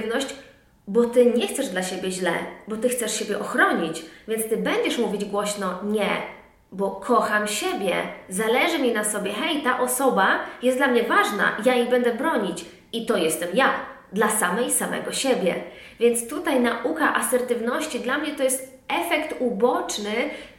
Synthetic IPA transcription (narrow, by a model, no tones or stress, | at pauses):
vnɔɕt͡ɕ | bɔt̪ɘɲɛxt̪sɛʐd̪laɕebʲjɛʑlɛ̰bɔt̪ɘxt̪sɛʂɕebʲjɛʔɔxɾɔɲit͡ɕvʲjɛnt̪st̪ɘbɛɲd͡ʑɛʂmuvʲid͡ʑɡwɔɕnɔɲɛ̰ | bɔkʰɔxamɕɛbʲjɛ̰zalɛʐɘmʲinasɔbʲjɛxɛjt̪aʔɔsɔbajɛst̪d̪lamɲɛvaʐna̰jajibɛnd̪ɛbɾɔɲit͡ɕ | it̪ɔjɛst̪ɛmja | d̪lasamɛjsamɛ̰ɡɔɕɛbʲjɛ̰ | vʲjɛnt̪st̪ut̪ajnaʔukaʔasɛɾt̪ɘvnɔɕt͡ɕid̪lamɲɛt̪ɔjɛst̪ | ɛfɛkt̪ubɔt͡ʂnɘ